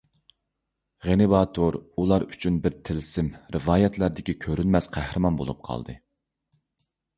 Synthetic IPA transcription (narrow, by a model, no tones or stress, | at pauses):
ʁenɨvɑt̪ʰoɾulˠɑɾyt͡ʃʰynbɪɾt̪ʰɪlsɪmɾɨvɑːjɛt̪ʰlæɾd̪ɪkʲikʲʰøɾynmɛsqʰæhɾɨmɑnbo̰lˠṵp̚qʰɑ̰lˠd̪ɨ̰